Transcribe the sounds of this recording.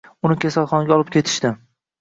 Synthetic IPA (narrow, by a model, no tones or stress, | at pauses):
ʊnɪkʲʰasalˠχɒnɡʲaɒlˠɪp̚kʲʰe̞t̪ʰɪ̥ʃt̪ɪ